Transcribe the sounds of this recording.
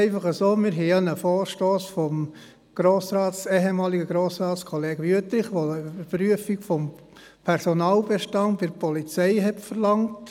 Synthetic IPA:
ɛɪfɑχəsoːmɪɾɦɛjɑnəfoːɾʃtoːsfɔm | ɡ̥ɾoːsɾɑːtseːɦemɑːliɡəɡɾoːsɾɑːtskʰɔleːɡ̥əʋyətɾɪχʋoybəɾpɾyəfiɡfɔm | pʰɛɾsonɑːlbɛʃtɑndbɪɾpɔlit͡sɛɪɦɛtfəɾlɑŋt

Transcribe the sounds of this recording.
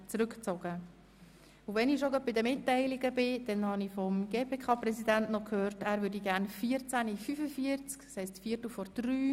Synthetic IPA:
t͡sɾʏkt͡sɔɡ̥ə | ʊvɛnɪʃoɡœt̚bidəmɪtːɛɪliɡəbɪd̥ɛnhɑnifɔmɡeːpʰeːkʰɑːprɛsidæntnɔkʰhøːɾtæːɾʋʏɾdiɡæːrnfiːəɾt͡sænifyfəfiəɾt͡skshɛɪstfiːərtəfɔɾd̥ɾyː

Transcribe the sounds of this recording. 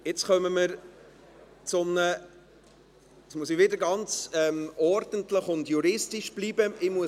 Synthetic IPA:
jɪt͡sχœməməɾ | t͡sʊmnə | smuəs̬ɪʋɪdəɾɡɑnt͡sɛmɔɾd̥ən̩tləχʊndjuɾɪstiʃb̥liːbəɪmuə

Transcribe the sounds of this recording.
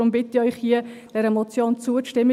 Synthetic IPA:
ʊmbɪtiœʏχhiəd̥ɛɾɛmɔt͡sjoːnt͡suəʃtɪmːə

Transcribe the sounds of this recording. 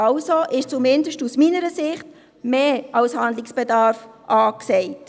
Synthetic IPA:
ɑʊsoʔɪʃt͡sumɪndəʃtusminəɾəsɪχt | meːɑwshɑndlɪksb̥edɑɾfʔɑːksɛɪt

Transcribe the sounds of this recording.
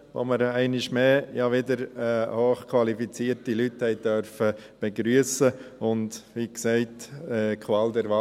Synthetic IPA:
ʋo̰məɾɛɪnɪʃmeːjɑʋɪdəɾɛhoːχkʰwɑlifit͡siːɾtilythɛɪd̥œɾfə | b̥ɛɡɾyəsəʊndʋiːksɛɪtɛːkʰʋɑːld̪ɛɾʋɑ

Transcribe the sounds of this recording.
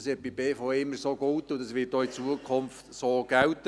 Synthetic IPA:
sɪt̚b̥ibeːfoːɪmːəsoɡowt̪ʊd̪ɑsʋɪːt̚doːit͡suəkʰχʊmft̪soːɡ̥ɛwt̪

